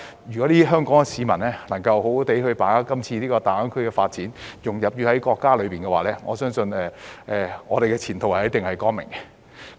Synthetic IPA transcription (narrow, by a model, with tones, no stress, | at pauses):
jy˨˩kɔ˨˥liː˥ɦœː˥ŋkɔː˨˥ŋɛ˧siː˨˧˥mɐ˨˩nlɛː˥nɐ˨˩ŋkɐ˧wɦo˨˥wt̪e˨˥jhɵ˧ɥpaː˨˥a˥kɐ˥mt͡sʰiː˧liː˥kɔː˧t̪aː˨˩ɐ˨˥nkʰɵ˥ɥkɛː˧faː˧t̚t͡siː˨˥njʊ˨ŋjɐ˨p̚jyː˧hɐ˨˦jkɔː˧kːaː˥lɵ˨˧ɥpiː˨nkɛ˧waː˨˩lɛː˥ŋɔ̰ː˨˧sœː˥ŋsɵ˧nɛː˨˧ʔɛː˨ŋɔː˨˧e˨jkɛː˧t͡sʰiː˨˩nt̪ʰo˨˩whɐ˨˩˨t̪ɪ˨ŋhɐ˨jkɔː˥nmɪ̰˨˩ŋkɛ˧